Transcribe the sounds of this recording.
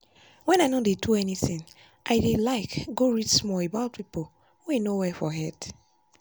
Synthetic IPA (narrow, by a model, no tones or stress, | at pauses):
wɛ̃naɪnɔ̃deduɛniθĩn | ʔaɪdelaɪkɡoɹidsmɔebaʊt̚pipo | wenowɛfɔɦɛt